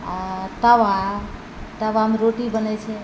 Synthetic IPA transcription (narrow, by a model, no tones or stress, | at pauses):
t̪aʋa | t̪əʋamɾoʈibənet͡ʃʰe